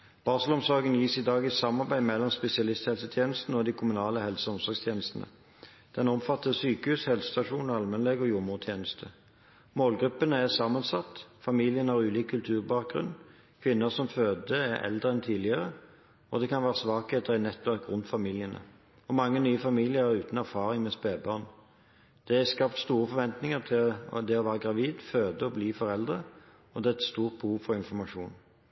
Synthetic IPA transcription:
b̥ɑːʁsəlɔmsɔɡənjiːsid̪ɑːɡɪsɑmɑʁbæɪmɛlːɔmspɛsɪɑlɪst̪hɛlsət̪ʰjeːnəst̪nəɔd̪iːkʰʊmʉnɑːləhɛlsəɔmsɔʁɡst̪ʰjeːnəst̪n̩ə̰ | d̪̥ɛnɔmfɑt̪ːəsyːkəhʉːshɛlsə̥st̪ɑʂuːnɑlmɛnlɛɡɔjʊmʊʁt̪ʰjeːnəst̪ʰə | moːlɡʁʉpːənəæʁsɑmːɑnsɑt̪ːfɑmiːlɪənhɑːʁʉːliːkʰːʉlt̪ʰʉːʁbɑːk̚ɡʁʉ̰nː | kʰʋɪnːəʁsɔmføːd̪əæʁɛ̰ld̪ʁəɛnt̪ʰiːlɪəʁə | ɔd̪ɛkʰɑnʋæːʁəsʋɑːkeːt̪əʁæɪnɛt̪ːɛkʁʊnfɑmilɪənə̰ | ɔmɑŋːənyːəfɑmiːlɪəʁæʁʉːt̪n̩æʁfɑːʁɪŋmɛspeːbɑʁn | d̪̥ɛæskɑp̚t̪st̪uːʁəfɔʁʋɛnt̪nɪŋəʁt̪ʰɪld̪ɛɔʋæːʁəɡʁɑʋiːd̪føːd̪əɔbliːfɔʁɛld̪ʁə | ɔd̪ɛːɛt̪st̪uːʁt̪̚buːʋfɔʁɪnfɔmɑʂuːn

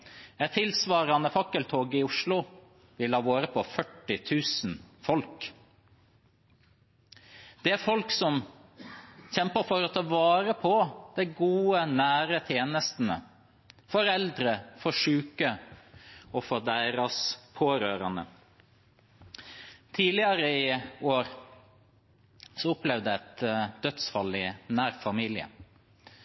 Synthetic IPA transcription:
ɛt̪ʰːɪlsʋɑːɾɑnəfɑkːəlt̪ʰoːɡɪʊʂlʊ | ʋɪlhɑːʋoːɾəpʰɔfœʈːɪt̪ʰʉːsn̩fɔlk | d̪̥ɛæfɔlksɔm | çɛmpəfɔɾɔt̪ʰɛlʋɑːɾəpʰɔd̪̥ɛɪɡuːənæːɾət̪ʰjeːnəst̪n̩ə̰ | fɔɾɛld̪ɾəfɔʂʉːkə | ɔfɔd̪æɪɾɑspʰoːɾøːɾɑnə̰ | t̪ʰiːlɪəɾəɪoːɾ | sɔʊplɛʋd̪əæt̪d̪œt̪sfɑlɪnæːɾfɑmiːlɪə̰

